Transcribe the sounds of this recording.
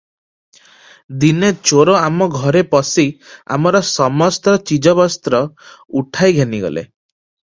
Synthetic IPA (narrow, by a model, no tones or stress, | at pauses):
d̪inet͡ʃoɾoamɔɡʱɔɾepɔsia̰mɔɾɔsɔmɔst̪ɔt͡ʃid͡ʒɔbɔst̪ɾɔuʈʰajɡʱeniɡɔ̰lḛ